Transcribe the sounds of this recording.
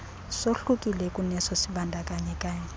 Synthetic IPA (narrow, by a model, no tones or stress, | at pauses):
soɬukʼilɛkʼunɛsɔsibandʱakʼaɲɛkʼaːɲɛ